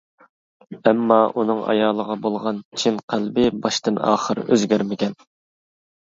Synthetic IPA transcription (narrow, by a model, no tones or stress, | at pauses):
ɛmːɑʔunɨŋɑ̰jɑːlˠəʁɑbolˠʁɑnt͡ʃʰinqʰælbɪbɑʃt̪ɨnɑ̰ːχəɾ̰ø̰zɡʲæɾmɪkʲɛn